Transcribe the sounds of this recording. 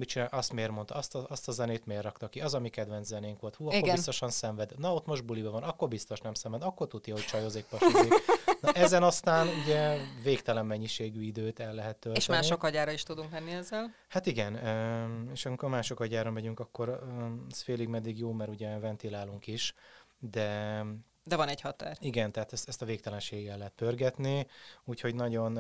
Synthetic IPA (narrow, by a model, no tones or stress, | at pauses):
mit͡ʃinaʔɒst̪meːrmo̞nt̪ɒɒst̪ɒɒst̪ɒzɛneːt̪meːrːɒkt̪ɒkiɒzɒmikɛd̪vɛnzɛneːŋkʋo̞lt̪huːɒkiorbinst̪o̞ʃɒnsɛɱvɛd̪nɒot̪mo̞ʒd̪̚bulibɛvɒnɒkːo̞rbist̪o̞ʃnɛmsɛmvɛd̪ɒkːo̞rt̪ut̪jɒɦo̞ct͡ʃɒjoːzeːk̚pɒʃiɒʔɛzɛnɒst̪aːnuɟɛveːkt̪ɛlɛmːɛɲːiʃeːɡyid̪øːt̪ɛlːɛɦɛt̪ːøleʃɛnaːʃiokɒɟaːɾɒiʃt̪ud̪uŋkmɛnːiɛzːɛl | hat̪iɡɛnøeːʃɒmiko̞rmaːʃo̞kɒɟaːɾɒɱvɛɟyŋkɒkːo̞ɾɛsfeːliɡmɛd̪ːiɡjoːmɛɾuɟɛvɛnt̪ilaːluŋkiʃd̪ɛ | d̪ɛvɒnɛchɒt̪a̰ːriɡɛnt̪ɛɦaːt̪ɛst̪ɛst̪ɒveːk̚t̪ɛlɛnʃeːɡɡɛlɛɦɛt̪̚pørɡɛt̪niuːcho̞ɟnɒɟo̞n